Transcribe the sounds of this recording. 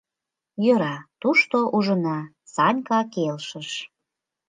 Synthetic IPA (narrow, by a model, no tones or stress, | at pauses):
jøɾɑt̪uʃt̪oʔuʒənɑ | sɑnʲkɑkelʃəʃ